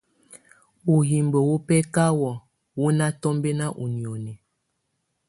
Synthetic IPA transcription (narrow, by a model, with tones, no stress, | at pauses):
u˨ɦi˨mbə˨wo˦pɛ˦ka˦wɔ˨ | wu˦na˦tɔ˦mbe˦na˦ʔu˨ni˨o˨ne˨